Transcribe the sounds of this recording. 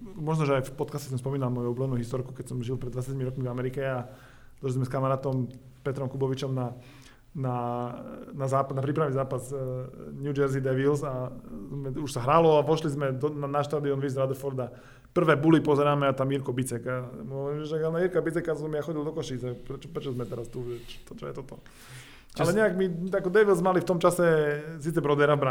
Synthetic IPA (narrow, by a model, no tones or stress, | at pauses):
mɔʒnɔʒɛajfpɔt̪kascɛs̬ɔmspɔmiːnalmɔjublɛnuːɦist̪ɔɾku̥kɛcsɔmʒilˠpɾɛd̪ʋatt͡sjacmiɾɔkmivamɛɾikɛa | d̪ɔʃlizmɛskamaɾaːt̪ɔm | pɛt̪ɾɔmkubɔʋit͡ʃɔmna | na | nazaːpanapɾiːp̬ɾaʋnizaːpaz | njud͡ʒɛɾzid̪ɛʋilzazmɛuʃsaɦɾalɔaʋɔʃlizmɛd̪ɔnanaʃt̪aːd̪iɔnʋiːzɾad̪ɛfɔɾd̪a | pr̩ʋɛːbulipɔzɛɾaːmɛat̪amiɾkɔbit͡sɛkamɦɔʋɔɾiːmɛʃɛanaiɾkabit͡sɛkasɔmjaxɔɟild̪ɔkɔʃiːt͡sapɾɛt͡ʃɔpɾɛt͡ʃɔzmɛt̪ɛɾast̪uʒɛt͡ʃɔ̥t̪ɔt͡ʃɔjɛt̪ɔt̪ɔ | ʔalɛɲɛaɡmiakɔd̪ɛʋilzmalift̪ɔmt͡ʃasɛsiːt͡sɛbɾɔd̪ɛɾavbɾa